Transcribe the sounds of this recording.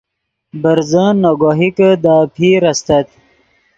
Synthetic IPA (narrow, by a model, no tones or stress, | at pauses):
bəɾzənːoɡoɦikəd̪aːpʰiːɾast̪ɐt̪